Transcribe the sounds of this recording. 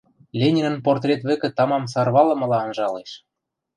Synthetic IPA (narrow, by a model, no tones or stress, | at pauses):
lʲenʲinə̆nport̪rʲet̪βɘ̆kɘ̆t̪ɑmɑmsɑrβɑlɤ̆mɤ̆lɑːnʒɑleʃ